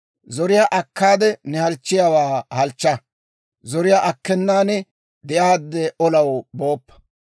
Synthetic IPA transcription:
zɔɾɪjaʔɐkːaːd̪ɛnɛhɐlt͡ʃːɪjawaːhɐlt͡ʃːɐ | zɔɾɪjaʔɐkːɛnːaːnɛ | d̪ɛjaːd̪ːɛʔɔlɐwbo̞ːpːɐ̥

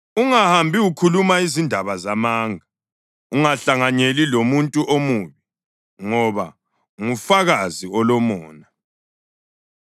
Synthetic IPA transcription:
uŋahambʱiukʰulumaizindʱaβazamaːŋʱa | uŋaɬaŋaɲelilomuntʼuʔomuːβi | ŋɔβa̰ | ŋufaɣaziɔlɔmɔːna

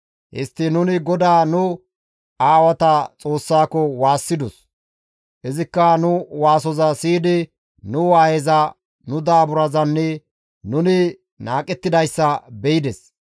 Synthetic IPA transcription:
ʔɪ̰st̪ːɪnʊnɪɡɔd̪aːnʊ | aːwɐt̪ɐt͡sʼo̞ːsːaːkɔwaːsːɪd̪ɔs | ʔɪzɪkːɐnʊwaːsɔzɐsiːd̪ɪ | nʊwaːhɛzɐ | nʊd̪aːbʊɾɐzɐnːɛ | nʊnɪ | naːkʼɛt̪ːɪd̪ɐjsːɐbɛjɪd̪ɛs

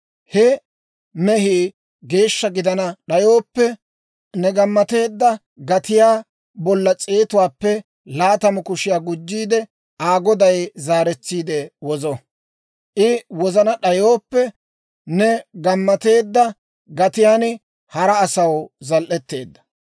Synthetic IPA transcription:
hɛ | mɛɦiː | ɡe̞ːʃːɐɡɪd̪ɐnɐɗɐjo̞ːpːɛ | nɛɡɐmːɐt̪e̞ːd̪ːɐ | ɡɐt̪ɪjaː | bɔlːɐt͡sʼeːt̪ʊwaːpːɛ | laːt̪ɐmɔkʊʃɪjaːɡʊd͡ʒːiːd̪ɛ | ʔaːɡɔd̪ɐjzaːɾɛt͡sːiːd̪ɛwɔzɔ | ʔɪwɔzɐnɐɗɐjoːpːɛ | nɛɡɐmːɐt̪e̞ːd̪ːɐ | ɡɐt̪ɪjaːnɪ | hɐɾɐːsɐwzɐlʔɛt̪ːe̞ːd̪ːɐ̥

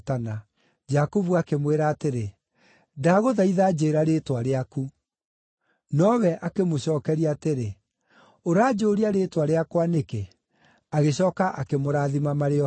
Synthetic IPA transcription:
tana | d͡ʒakovuakemweɾaːteɾe | daɣoðaiðaːd͡ʑeːɾaɾeːtwaɾeaku | nɔwɛʔakemoɕɔːkɛɾiaːteɾe | oɾaːd͡ʑoːɾiaɾeːtwaɾeakwaneke | aɣeɕɔːkaʔakemoɾaːðimamaɾeɔ

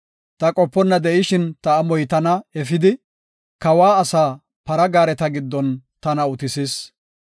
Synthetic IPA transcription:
t̪ɐkʼɔpːɔnːɐd̪ɛʔɪʃɪnt̪ɐːmɔjt̪ɐnɐɛfɪd̪ɪ | kɐwaːɐsaː | pɐɾɐɡaːɾɛt̪ɐɡɪd̪ːɔnt̪ɐnɐʊt̪ɪsɪs

